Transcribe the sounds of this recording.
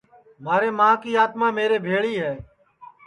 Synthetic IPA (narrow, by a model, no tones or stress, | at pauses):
maːɾeːmãːkiːaːt̪mãːmeːɾeːbʱeːɭiːɦɛː